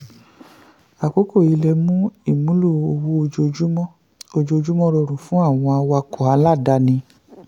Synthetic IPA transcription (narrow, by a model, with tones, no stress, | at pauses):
a˨ko˨˦ko˦˨i˨˧lɛ˧mũ˦i˦˨mũ˨˦lu˦˨o˧wu˦o˧d͡ʒo˧d͡ʒu˦mɔ̃˦ | o˧d͡ʒo˧o˧d͡ʒu˦mɔ̃˦ɾo˧˨ɾũ˨fũ˨˦a˦˨w̃ɔ̃˧a˧wa˧kɔ˨a˨˧˦la˦˨da˨˦nĩ˧